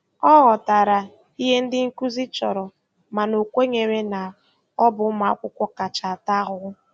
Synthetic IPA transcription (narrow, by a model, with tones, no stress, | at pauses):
ɔ˦ɣɔ˨ta˨ɾa˨ | i˦ɦe˦n̩˦dɪ˦ŋ̩˦ku˦zi˦t͡ʃɔ˨ɾɔ˨ | ma˨no˨kʷe˦ɲe˨ɾe˦na˨ | ɔ˦bʊ˦ma˨a˦kʷʊ˦kʷɔ˦ka˨t͡ʃa˨a˨ta˦ɣʊ˦